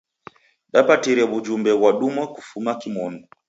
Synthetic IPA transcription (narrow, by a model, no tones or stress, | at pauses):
ɗapatiɾɛβud͡ʒumbɛβwaɗumaku̥fumakimɔnɔ